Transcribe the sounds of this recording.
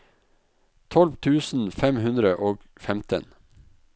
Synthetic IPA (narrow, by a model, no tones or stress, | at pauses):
t̪ʰɔlʋt̪ʰʉːsn̩fɛmhʉnd̪ɾəʔoːɡ | fɛmt̪ə̰n